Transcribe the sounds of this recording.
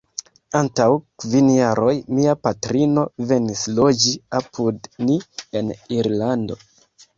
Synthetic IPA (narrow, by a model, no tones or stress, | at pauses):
antawkvinjaɾʔo̞jmiapatɾino̞ve̞nislo̞d͡ʒiapʰudnie̞niɾlando̞̰